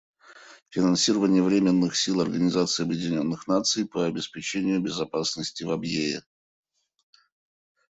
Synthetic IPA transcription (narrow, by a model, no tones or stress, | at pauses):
fʲɪnɐnsʲiɾəvənʲɪjəvɾʲemʲɪnːɨxsʲilˠɐrɡənʲɪzat̪sɨːɐbjɪdʲɪnʲo̞nːɨxnat̪sɨjpəɐbʲɪspʲɪt͡ɕenʲɪjʊbʲɪzɐpasnəsʲtʲɪvɐbjeɪ̰